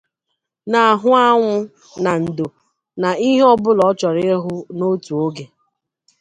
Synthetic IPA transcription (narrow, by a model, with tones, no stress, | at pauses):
na˨a˨ɦʊ˦a˦ŋʷʊ˦ | na˨n̩˨do˨ | na˨i˦ɦe˦ɔ˦bʊ˦lɔ˨˦t͡ʃɔ˨ɾɪ˦ɦʊ˦no˦tu˨o˦ɡe˨